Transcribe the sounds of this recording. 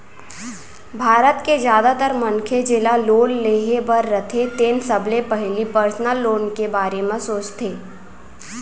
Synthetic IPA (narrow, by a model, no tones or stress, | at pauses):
bʱaːɾət̪kezjaːd̪at̪əɾmɐnkʰed͡ʒɪlaloːnleːɦebəɾːət̪ʰet̪eːnsəblepɛɦlipəɾsnəlːoːnkebaːɾemẽsoːt͡ʃt̪ʰeː